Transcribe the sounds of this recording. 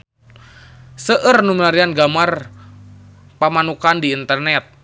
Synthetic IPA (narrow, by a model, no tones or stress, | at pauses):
səʔərnuməlaɾianɡamar | pamanukandiːnt̪ərnɛt̪̚